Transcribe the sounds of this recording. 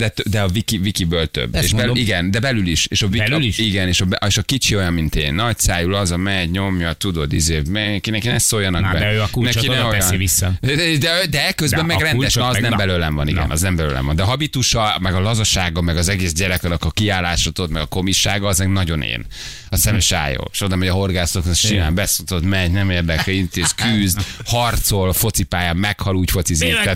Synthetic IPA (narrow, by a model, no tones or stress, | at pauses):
d̪̥ɛt̪ød̪ɛɒvikivikibølt̪ø̰bːḛːʃbɛiɡɛnd̪ɛbɛlyliʃeːʃɒvilliʃiɡɛneːʃɒbɛʔeːʃɒkit͡ʃio̞jɒmmint̪ḛːnːɒc̚saːjulɒzɒmɛɟɲo̞mjɒt̪ud̪o̞d̪ḭzeːmɛɡɛkinɛkinɛssojɒnɒɡbɛkunɛinɛoɛiisːɒd̪ɛd̪ɛɛkːøzbɛmmːɛɡrɛnɛʃnːznɛmbɛløːlɛɱvɒnḭɡɛ̰nʔɒ̰znɛmbɛlø̰ːlɛ̰ɱvɒ̰nd̪ɛːɦɒbit̪uʃɒmɛɡɒlɒzoʃaːɡɒmɛɡɒzɛɡeːzɟɛɾɛkɒnɒkɒkiaːlːaːʃot̪ot̪mɛɡɒko̞miʃaːɡɒːznɛɡnɒɟo̞nḛːn | ɒsɛmɛʃa̰ːjo̰ːʃod̪ɒmoɟɒɦo̞rɡaːsoknɛʃima̰ːmbɛsot̪ot̪mɛɲnɛmeːrd̪ɛkɛint̪eːskyːzhɒrt̪solfo̞t̪sipaːjaːmːɛkhɒluːcfot̪sizeɛt̪